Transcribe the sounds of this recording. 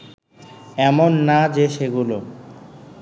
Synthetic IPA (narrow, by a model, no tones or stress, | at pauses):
ɛmonːad͡ʑeʃeɡulo